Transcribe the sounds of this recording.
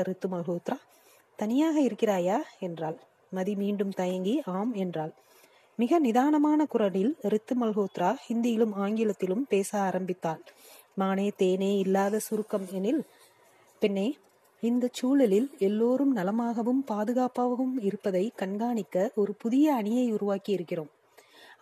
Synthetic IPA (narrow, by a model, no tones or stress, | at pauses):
ɐɾɪt̪ːɯmɐlɣoːt̪ɾaː | t̪ɐnɪjaːɣɐɪɾɯkːɪraːjaːɛndraːl | mɐðimiːɳɖɯmt̪ɐjɐŋɡiaːmɛndraːl | mɪɣɐnɪðaːnɐmaːnɐkʊrɐɪlɾɪt̪ːɯmɐlɣoːt̪ɾaːhɪnd̪ɪjɪlɯmaːŋɡɪlɐt̪ːɪlɯmpeːsaːɾɐmbɪt̪ːaːl | maːneːt̪eːneːɪlːaːðɐsʊɾɯkːɐmɛnɪl | pɪnːeː | ɪnd̪ɐt͡ʃuːlɐlɪlɛlːoːɾɯmnɐlɐmaːɣɐʋɯmpaːðɯɣaːpaːʋɐʋɯmɪɾɯpːɐðɐɪkɐɳɡaːɳɪkːɐʔɔɾɯpʊðɪjɐːɳɪjɐɪʊɾʊʋaːkiɪɾɯkːɪroːm